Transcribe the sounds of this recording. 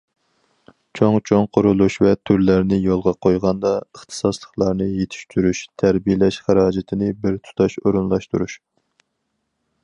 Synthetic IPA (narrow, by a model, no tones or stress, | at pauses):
t͡ʃʰoŋt͡ʃʰoŋqʰʊɾulˠuʃvɛt̪ʰyɾlæɾnɪjolˠʁɑqʰojʁɑnd̪ɑəχt̪ʰɨ̥sɑslˠəχlˠɑɾnɨjet̪ʰɪ̥ʃt̪ʰyɾyʃt̪ʰæɾbijlɛʃχæɾɑːd͡ʒɪt̪ʰɪnɪbɪɾt̪ʰu̥t̪ʰɑʃoɾunlˠɑʃt̪uɾuʃ